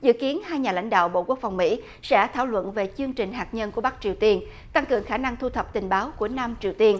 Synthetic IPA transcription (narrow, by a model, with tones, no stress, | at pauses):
zɨ̰˧˨ki˨˦ənhaː˧jɲaː˨˩la̰˧˥jŋ̟ɗa̰ː˧˨wɓo̰˧˨ku˦˥ək̚fa˨˩wŋ͡mmḭ˧˥ | sɛ̰˧˥t̪ʰaː˧˩wlwə̰˧˨nve˨˩t͡ɕɨ˧əŋt͡ɕï˨˩ŋ̟ɦaː˨˩k̚ɲə˧nku˧˩əɓa˦˥k̚t͡ɕi˨˩əwt̪i˧ən | t̪a˧ŋkɨ˨˩əŋxaː˧˩na˧ŋt̪ʰu˧t̪ʰə˨˩p̚t̪ï˨˩ŋ̟ɓaː˨˦wku˧˩əna˧mt͡ɕi˨˩əwt̪i˧ən